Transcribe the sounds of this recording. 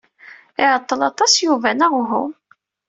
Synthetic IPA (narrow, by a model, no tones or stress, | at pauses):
ɪʕət̪ˤːəlɑt̪ˤɑsjuvænaʁʊɦʊm